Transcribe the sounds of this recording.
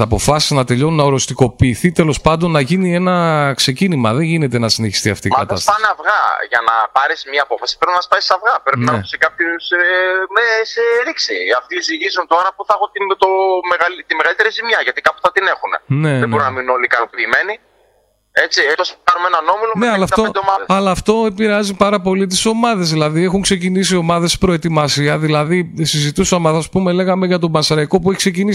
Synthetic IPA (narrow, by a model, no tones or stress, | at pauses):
ɐpo̞fɐsi̥znɐt̪e̞ʎo̞nunɐoɾo̞st̪iko̞piːθit̪e̞lo̞spɐnd̪o̞nːɐʝinie̞nɐkse̞cinimɐðe̞ɲʝine̞t̪enɐsineçi̥st̪iɐft̪iːmɐɐt̪ɐst̪pɐnɐvɣɐ̰ʝɐnɐ̰pɐɾesmɲɐːpo̞fɐsi̥pɾepinɐspɐsisɐvɣɐpɾeinɐusekɐpçosmeseɾiksḭɐft̪isiʝizunt̪oɾɐpuθɐxot̪int̪omeɣɐlit̪imeɣɐlit̪eɾizimɲɐʝɐt̪ikɐpu̥θɐt̪ine̞xunḛne̞ðebɾinɐmiuno̞likɐnopiːme̞ni | e̞t͡sit̪oskɐnumenɐno̞miloneɐlɐfɐt̪od̪eomɐesɐlɐːft̪o̞epiɾeɐzipɐɾɐpo̞lit̪̬iso̞mɐðe̞zðilɐðie̞xuŋkse̞cinisio̞mɐðe̞spɾo̞e̞t̪imɐsiɐðilɐðisizit̪usɐmɐsɐspume̞le̞ɣɐme̞ʝɐt̪̬o̞bɐnsɐɾɐiko̞pueçi̥kse̞cinis